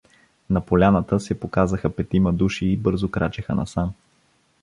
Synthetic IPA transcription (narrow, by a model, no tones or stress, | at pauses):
nɐpolʲanət̪əsɛpokazəxəpɛt̪iməd̪uʃiːbɤɾzokɾat͡ʃɛxə̰nɐ̰sam